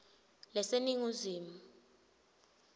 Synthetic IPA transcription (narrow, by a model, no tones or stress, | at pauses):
lɛseniŋuziːmu